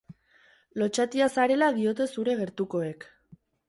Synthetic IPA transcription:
lo̞t͡ʃat̪iasaɾe̞laðio̞t̪̬e̞suɾe̞ɣe̞ɾt̪uko̞e̞k

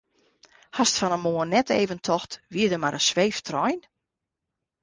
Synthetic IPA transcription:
hɔstfɔnəmoənɛtḛːvəntʰɔxtʋiədəmaɾəsʋeːftrɔjn

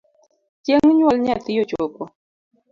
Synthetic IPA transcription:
teŋɲwalɲat̪ɪjot͡ʃopɔ

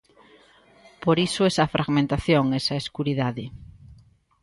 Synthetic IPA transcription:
poɾisoesɐfɾʔaɣmẽnt̪aθjoŋesɐeskuɾiðaðe

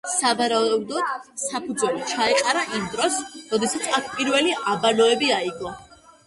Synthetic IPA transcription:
savaɾaud̪ɔd̪̥sapʰud̪zwɛlit͡ʃʰaɛqʼaɾaʔimd̪ɾɔsɾɔd̪ɛsat̪sʰakʰpʼiɾvɛliabanɔɛbiaiɡɔ

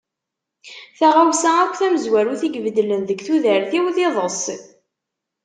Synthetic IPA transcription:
θaʁawsæækʷːθæməzwæɾuθiɡvd̪lənðəɡθuðəɾθiwðɪðˤəsˤ

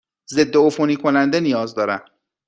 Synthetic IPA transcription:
ze̞d̪ːeofoniːkʰo̞nænd̪e̞nijɒːzd̪ɒːɾæm

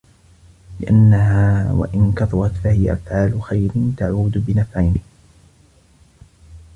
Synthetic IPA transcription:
lɪʔanːahaːwa̰ʔɪnkɑt̪ˤʊɾˤɑt̪fahɪja̰ʔafʕaːlʊxajɾɪnt̪aʕuːd̪bɪnafʕajnɪh

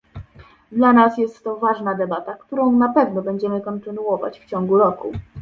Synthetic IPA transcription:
d̪lanasjɛst̪ːɔvaʐnad̪ɛbat̪akt̪uɾɔ̃w̃napɛvnɔbɛɲd͡ʑɛmɘkɔnt̪ɘnuɔva̰t͡ɕft͡ɕɔŋɡuɾɔku

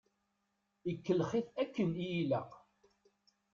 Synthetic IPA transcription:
ikːəlχiθækːənijilæq

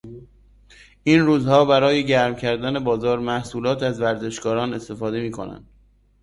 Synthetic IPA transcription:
ʔiːnruːzhɒːbæɾɒːje̞ɟæɾmcʰæɾd̪æne̞bɒːzɒːɾmæhsuːlɒːt̪ʰæzvæɾze̞ʃkɒːɾɒːne̞st̪e̞fɒːd̪e̞miːkʰo̞næ̰nd̪̥

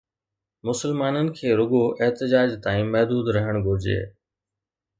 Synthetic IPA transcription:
mʊsəlmaːnənɪ̆kʰeːɾʊɠoʔeɦt̪ɪd͡ʑaːd͡ʑt̪ãːĩmɛɦd̪uːd̪ɾɐɦəɽ̃ɡʱʊɾd͡ʑḛː

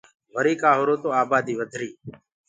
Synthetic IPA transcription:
ʋəɾiːkaːɦoːɾoːt̪oːaːbaːd̪iːʋəd̪ʱɾiː

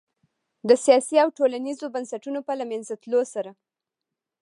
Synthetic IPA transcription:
d̪əsijɑsiawʈolanizobansaʈunopəlamanzat̪losaɾa

